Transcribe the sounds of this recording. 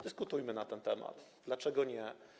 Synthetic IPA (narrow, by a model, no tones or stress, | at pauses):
d̪ɘskut̪ujmɘnat̪ɛnt̪ɛma̰t̪d̪lat͡ʂɛɡɔɲɛ